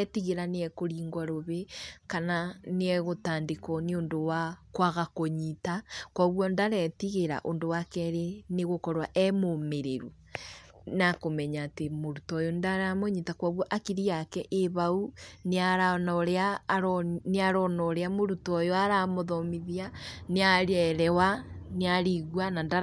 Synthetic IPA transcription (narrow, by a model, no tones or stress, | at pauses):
tiɣeɾaneɛkoɾiːŋɡwaɾoβekananeɛɣotaːndekɔneondowakwaɣakoɲitakwaɣwɔndaɾɛtiɣeɾa̰ʔondowakɛɾeneɣokɔɾwaʔɛmomeɾeɾu | nakomɛɲaːtemoɾutɔjɔndaɾamoɲitakwaɣwɔʔakiɾiakɛʔeβauneaɾanɔɾeaɾneaɾɔnɔɾeamoɾutɔjɔaɾamoðɔmiðianeaɾɛɾɛwaneaɾiɣwananda